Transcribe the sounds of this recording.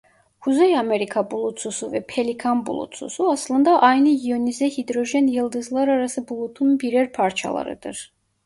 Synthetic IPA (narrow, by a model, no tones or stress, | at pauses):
huzejameɾikʰabulˠut̪sʰusuvɛpʰelikʰanbṵlˠṵt̪sʰṵsuɑslˠɯnd̪ɑʔɑjnɯjionizɛhid̪ɾoʒɛnjɯlˠd̪ɯzlˠɑɾaɾasɯbulˠut̪ʰunbiɾɛɾpʰaɾt͡ʃʰɑ̰lˠɑ̰ɾɯ̰d̪ɯ̰ɾ